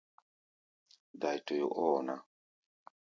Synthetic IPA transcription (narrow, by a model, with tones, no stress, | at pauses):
da˨jto˨jo̰˨ʔɔː˦na˦